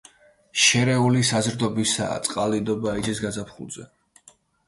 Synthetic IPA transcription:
ʃɛɾɛulisazɾd̪ɔbisa̰ːt̪sʼqʼalid̪ɔbaid͡ʒisɡazapʰχṵlˠz̥ɛ̰

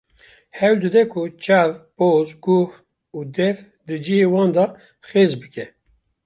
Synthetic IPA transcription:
hɛwld̪ɨd̪ɛkʰut͡ʃavpoːzɡuh | uːd̪ɛf | d̪ɨd͡ʒiheːwɑ̃ːnd̪ɑ | xeːzbɨkʲɛ

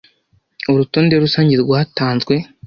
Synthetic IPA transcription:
oɾutoːnde̞ɾusaːɲɟiɾɡwahataːnzɡwe̞

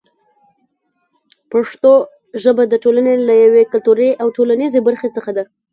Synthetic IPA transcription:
paʂt̪o | ʒəbad̪əʈolanelajawekʊlt̪uɾejʔawʈolanizebaɾxet͡səxad̪a

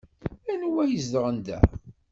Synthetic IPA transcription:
ænwæjəzd̪əʁənd̪æ̰

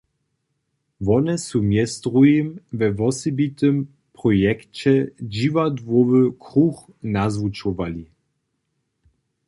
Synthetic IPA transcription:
vɔnɛsumjɛst̪ʁujimvɛvɔsibit̪əm | pʁɔjɛkt͡ɕɛd͡ʑivadvɔvəkʁux | nazvut͡ʃɔvali

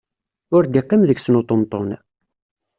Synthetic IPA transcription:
ʊɾd̪iqːimðəɡsnot̪ˤont̪ˤːon

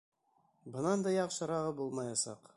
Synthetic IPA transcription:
bɤ̆nɑnd̪ɑjɑqʃɑ̆ɾɑʁɤbulˠmɑjɑsɑ̰q

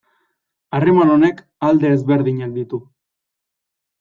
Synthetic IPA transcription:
are̞mano̞ne̞k | ald̪e̞ːzβe̞ɾðiɲak̚d̪it̪u

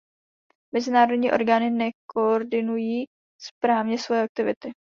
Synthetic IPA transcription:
mɛzɪnaːɾodɲiːʔo̞̰ɾɡaːnɪnɛkooɾdɪnujiː | spɾaːvɲɛsvojɛak̚t̪ɪvɪ̰t̪ɪ

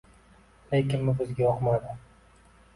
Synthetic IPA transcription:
lekʲɪnmɪbɪzɡʲajɒqmad̪ɪ

